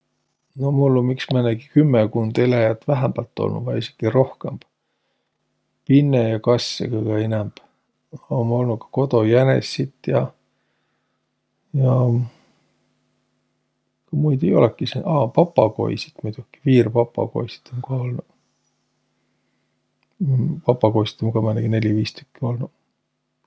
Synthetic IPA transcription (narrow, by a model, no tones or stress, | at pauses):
nomulːomiksmæneɡ̥ikymːekund̪̥elæjɑt̪ːvæɦæmb̥ɑlt̪ːˑo̰lnṵvɑjisi̥kːiro̞hkemb̥ | pinːejɑkɑsʲːḛkɯjɡ̥ɑenɛmb̥ | omo̞lnukɑ̥ko̞t̪o̞jænḛsːit̪ːjɑ | jɑ | kɑmujd̪ejo̞̰lɛkːˑisinɑːpɑpːɑko̞̰jsi̥t̪mut̪ukːˑi̥viːrpɑpˑːɑ̰ko̞̰jsi̥t̪omkɑolnu | pɑpːˑɑko̞jsi̥t̪ːˑomkɑmɑneɡene̞lʲiviːst̪ykːio̞lnu